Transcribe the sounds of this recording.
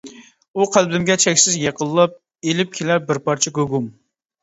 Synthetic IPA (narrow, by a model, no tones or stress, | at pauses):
uqʰælbɪmɡʲɛt͡ʃʰɛkʲsɪzjeqʰəlˠːɑp̚ | elɪp̚kʲʰelæɾbɪɾpɑɾt͡ʃʰɛɡøɡum